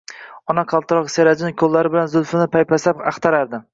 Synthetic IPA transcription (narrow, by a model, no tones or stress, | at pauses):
ɒnaqʰɑlˠt̪ɪɾɒqseɾad͡ʒɪnɪkʲʰolːaɾɪbɪlanzʊlfɪnɪpʰajpʰasapɑχt̪ʰaɾaɾd̪ɪ